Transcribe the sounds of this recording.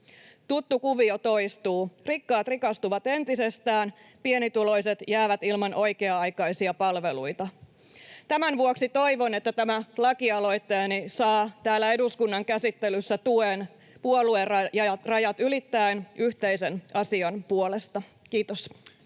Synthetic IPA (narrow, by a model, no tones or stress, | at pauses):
t̪ut̪ːukuʋiot̪o̞jst̪uːrikːɑːt̪rikɑst̪uʋɑt̪e̞nt̪ise̞st̪æːn | pie̞nit̪ulo̞jset̪jæːʋæt̪ilmɑnʔo̞jkeɑɑjkɑjsiɑpɑlʋe̞lujt̪ɑ | t̪æmænʋuoksit̪o̞iʋo̞net̪ːæt̪æmælɑkiɑlo̞jt̪ːe̞ːnisɑːt̪æːlːæe̞duskunːɑŋkæsit̪ːelysːæt̪uen | puolueɑjɑɑrɑjɑt̪ylit̪ːæenʔyht̪e̞ise̞nʔɑsiɑnpuolest̪ɑkiːt̪os